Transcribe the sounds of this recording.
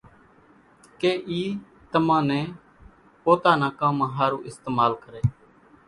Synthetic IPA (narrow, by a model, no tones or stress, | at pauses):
keːʔiː | t̪əmãːnẽː | poːt̪aːnãːkãːmãːɦaːɾuːʔɪst̪eːmaːlkəɾeː